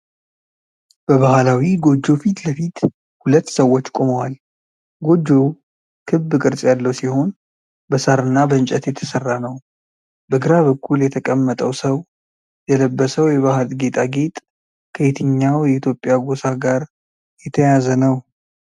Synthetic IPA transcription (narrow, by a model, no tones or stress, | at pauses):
b̥əβahlawiɡo̞d͡ʒːo̞fit̪ləfit̪ | hulət̪ːsəwːot͡ʃːkʼo̞məwal | ɡo̞d͡ʒːo̞ | kʰɨbːɨkʼɨɾsʼjalːəwsiho̞n | bəsaɾɨnːabəɨnt͡ʃʼɛt̪jɛt̪ʰəsərːanəw | bəɡɨɾaβəkʰːuljɛt̪ʰəkʼəmːət̪ʼəwsəw | jɛləbːəsəwjɛβahalɡe̞t̪ʼʰaɡe̞t̪ʼ | kʰəet̪ʰɨɲːawjɛit̪ʰjo̞pʼːɪjaɡo̞saɡaɾ | jɛt̪ʰəjazənəw